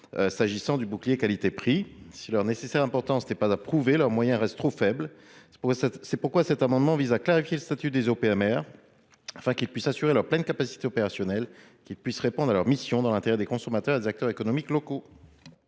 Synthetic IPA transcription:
øsaʒisɑ̃d̪ybuklijekalit̪epχisilœʁnesesɛʁɛ̃pɔʁt̪ɑ̃snɛpazapχuvelœʁmwajɛ̃ʁɛst̪ːχofɛbl | sɛsɛpuʁkwasɛt̪amɑ̃d̪mɑ̃vizaklaʁifjeləst̪at̪yd̪ezopeɛmɛʁ | afɛ̃kilpɥisasyʁelœʁplɛnkapasi̥t̪eɔpeʁasjɔnɛl | kʲilpɥisʁepɔ̃d̪ʁalœʁmisjɔ̃d̪ɑ̃lɛ̃t̪eʁɛd̪ekɔ̃sɔmat̪œʁad̪ezak̚t̪œʁekɔnɔmiklɔko

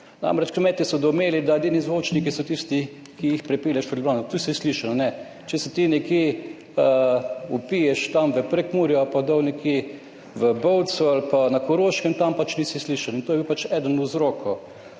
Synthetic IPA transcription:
na̰mɾɛt͡ʃkɾmɛːt̪isɔd̪ɔmeːlid̪ajɛd̪iːnizʋoːt͡ʃnikisɔt̪ist̪i | kiixpɾɛpiːljaʃpəd̪lbɾaːnɔt̪usisliːʃannɛ | t͡ʃɛsɛt̪inɛkje | əupijɛʃt̪amʋəpɾɛkmuːɾjɔapad̪awnɛkje | ʋəbɔwt̪sualpanakɔɾoːʃkəmt̪ampat͡ʃnisisliːʃalint̪oːjɛbiuwpat͡ʃɛd̪ənuzɾoːkʰɔ

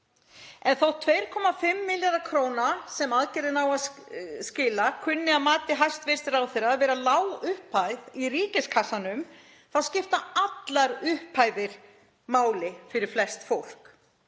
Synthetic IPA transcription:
ɛnθawt̪ʰveːjɾ̥kʰɔːmafɪmːɪljaɾðakʰɾoːwnasɛmaðcɛɾðɪnaːwascɪːlakʰʏnːɪamaːt̪ɪɦajst̪vɪɾ̥st̪ɪɾawθɪɾaːðvɛːɾalaːwʏhpajðiriːcɪskʰasanʏm | θawscɪft̪aat̪laɾʏhpʰajðɪɾ̥ | maːwlɪfɪɾɪɾ̥flɛst̪fowl̥k

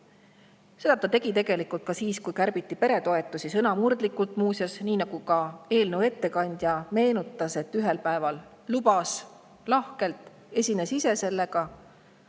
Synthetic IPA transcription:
se̞d̪̥ɑt̪ɑt̪e̞ɡ̥it̪e̞ɡ̥e̞likˑult̪̚kɑsiːskujkærb̥it̪ˑːipe̞ɾe̞t̪o̞e̞t̪ːˑusisɤnɑmurd̪̥likːˑult̪ˑmuːsjɑsniːnɑɡ̥ukɑe̞ːlnewe̞t̪ːe̞kɑnʲd̪̥jɑme̞ːnut̪ːˑɑse̞t̪ːyɦe̞lpæe̞vɑlː | ubɑs | lɑhke̞lt̪ˑ | e̞sʲinesise̞se̞lːe̞ɡ̥ɑ

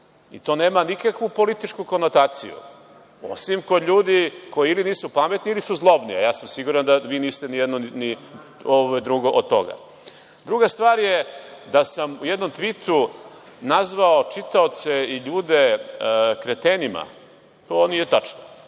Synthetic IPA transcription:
it̪o̞ːneːmanikakʋupo̞lit̪it͡ʃkuko̞not̪aːt̪sijṵ | o̰simko̞d̪ʎʲuːd̪iko̞jiiliniːsupame̞t̪niilisuzlˠo̞bnia̰jaːsamsiɡuɾand̪aʋiːniːst̪enijɛd̪nonini | ooed̪ɾuɡo̞ʔod̪̚t̪o̞̰ɡa̰ | d̪ɾuɡast̪ʋaːɾjed̪asamujed̪no̞mt̪ʋit̪ʰu | nazʋaot͡ʃit̪aot̪seiʎuːd̪e̞ | kɾet̪enima̰ | t̪oːnijet̪at͡ʃno

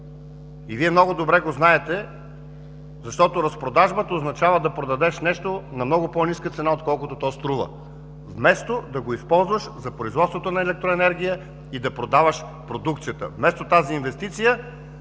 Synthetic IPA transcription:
iviɛmnɔɡod̪obɾɛɡoznaɛt̪ɛ | zɐʃt̪ɔt̪oɾɐspɾod̪aʒbət̪əoznɐt͡ʃavəd̪ɐpɾod̪ɐd̪ɛʃnɛʃt̪onɐmnɔɡʊpɔniskət̪sɛnaot̪kɔlˠkʊt̪ot̪ɔst̪ɾuvə̰ | vmɛst̪od̪ɐɡoispɔlˠzvəʃzɐpɾoizvɔt̪svot̪onɐɛlɛk̚t̪ɾoɛnɛɾɡʲijə | id̪ɐpɾod̪avəʃ | pɾod̪ukt̪sijət̪ə̰vmɛst̪ot̪aziːnvɛst̪it̪sijə

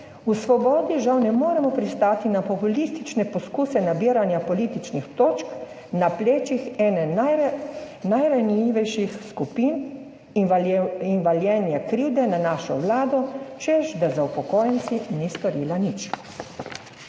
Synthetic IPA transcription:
usʋɔbɔːd̪iʒawnɛmoːɾɛmɔpɾist̪aːt̪inapɔpulist̪it͡ʃnɛpɔskuːsɛnabiəɾanjapɔlit̪it͡ʃnixt̪oːt͡ʃk | napleːt͡ʃixɛːnɛn | najɾanjiːʋɛjʃixskupiːn | inʋaljɛːnjɛkɾiwd̪ɛnanaːʃɔ̰ʋlaːd̪ɔt͡ʃɛʒd̪azaupɔkoːjɛnsinist̪ɔɾiːlanit͡ʃ

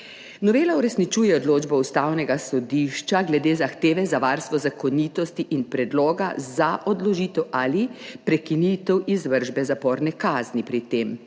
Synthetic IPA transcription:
nɔʋeːlauɾɛsnit͡ʃuːjɛɔd̪loːd͡ʒbɔust̪aːwnɛɡasɔd̪iːʃt͡ʃaɡlɛd̪eːzaxt̪eːʋɛzaʋaɾst̪ʋɔzakɔniːt̪ɔst̪iʔinpɾɛd̪loːɡazaʔɔd̪lɔʒiːt̪ɛwʔalipɾɛkinit̪ɛwizʋəɾʒbɛzapɔːɾnɛkaːznipɾit̪eːm

